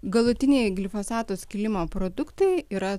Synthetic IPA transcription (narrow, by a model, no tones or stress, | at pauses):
ɡɐlˠʊt̪ʲɪnʲeɪɡʲlʲɪfoːsɑːt̪oskʲɪlʲɪmoːpɾoːd̪ʊkt̪ɐɪiːɾɐ